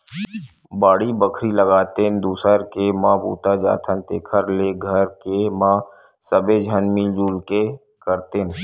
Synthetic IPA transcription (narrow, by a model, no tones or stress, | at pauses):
baːɽibəkʰɾiləɡaːt̪end̪uːsəɾkemãːpṵːt̪ad͡ʒa̰ːt̪ʰənt̪ḛːkʰəɾleɡʱəɾkemãː | səbed͡ʒʱənmild͡ʒuːlke | kəɾt̪en